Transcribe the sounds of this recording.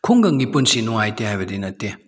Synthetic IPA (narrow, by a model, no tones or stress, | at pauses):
kʰuŋɡɐŋɡipunsinɔŋajtehajbɐdinɐtːe